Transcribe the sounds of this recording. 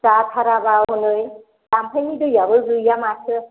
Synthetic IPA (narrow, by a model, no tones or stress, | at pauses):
satʰaɾabawɦɔnɯj | tampʰajnidɯjabɯzujamasʰɯ